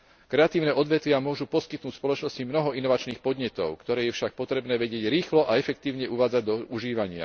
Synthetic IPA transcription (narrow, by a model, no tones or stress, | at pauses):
kɾɛat̪iːʊnɛːʔɔd̪ʋɛt̪ʋɪamʊɔʒupɔskit̪̚nuːcspɔlɔt͡ʃnɔscimnɔɦɔʔinɔʋat͡ʃniːxpɔd̪ɲɛt̪ɔʊkt̪ɔɾɛːjɛfʃak̚pɔt̪ɾɛbnɛːʋɛɟɪɛɟɾiːxlɔʔaɛfɛk̚t̪iːʊɲɛʔuʋaːd͡zaɟd̪ɔuʒiːʋaɲɪa̰